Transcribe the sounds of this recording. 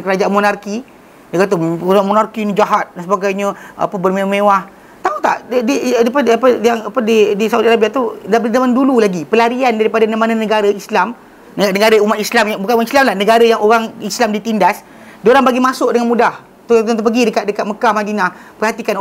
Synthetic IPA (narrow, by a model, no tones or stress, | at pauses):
nkəɾad͡ʒaʔanmonarki | dəɡat̪̬uoamonarkinid͡ʒaɦat̪̚dansəbaɡajɲəa̰pəbərmewamewah | t̪aut̪a̰ʔdidipəapəjaŋapədidisaudaɾabiaʔt̪uddamandululaɡipəlaɾiandaɾipadanəmananəɡaɾəislam | nəɡat̪nəɡaɾəumat̪̚islamjaŋbukanoaislamlahnəɡaɾəjaŋoɾaŋislamdit̪indas | dioɾaŋbaɡimasʊʔdəŋanmudah | t̪ut̪ənt̪up̬əɡidəkat̪̚dəkat̪̚məkahmadinahpərhat̪ikano